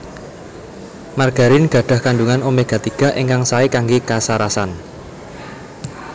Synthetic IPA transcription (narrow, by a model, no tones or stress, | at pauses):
marɡ̥a̤ɾinɡ̥ä̤ɖ̥a̤hkanɖuŋanomeɡ̥a̤t̪iɡ̥a̤ʔiŋkaŋsaikaŋɡekasaɾasan